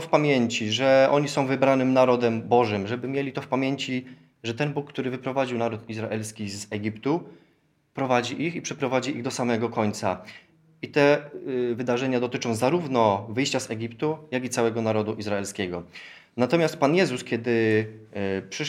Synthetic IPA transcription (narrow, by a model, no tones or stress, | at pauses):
fpamʲjeɲt͡ɕiʐɛʔɔɲisɔ̃w̃vɘbɾanɘmnaɾɔd̪ɛmbɔʐɘmʐɛbɘmʲjelʲit̪ɔfpamʲjeɲt͡ɕi | ʐɛt̪ɛnbukːt̪uɾɘvɘpɾɔvad͡ʑiwnaɾut̪izɾaʔɛlskʲizɛɡʲipt̪u | pɾɔvad͡ʑiʔixipʂɛpɾɔvad͡ʑiʔiɣd̪ɔsamɛɡɔkɔɲt̪sa̰ | it̪ɛvɘd̪aʐɛɲad̪ɔt̪ɘt͡ʂɔ̃w̃zaɾuvnɔvɘjɕt͡ɕazɛɡʲipt̪ujaɡʲit̪sawɛɡɔnaɾɔd̪uʔizɾaɛlskʲɛɡɔ | nat̪ɔmʲjast̪̚panjɛzuskʲjɛd̪ɘ | pʂɘ